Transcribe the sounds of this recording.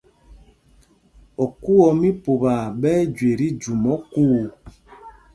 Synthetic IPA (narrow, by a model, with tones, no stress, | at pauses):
ɔ˨ku˦ɔ˨mi˦po˨ba˨bɛː˦d͡ʒwe˨ɾi˦d͡ʒu˨mɔ˦kuː˦